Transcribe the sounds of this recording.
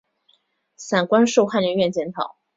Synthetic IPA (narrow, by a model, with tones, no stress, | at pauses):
sa˨˩nkwa˥nʂu˥˧ʊxa˥˩nɥə˧˥nɥɛ˥˩nt͡ɕjɛ˧˥nt̪ʰɑ̰˨˩˦ʊ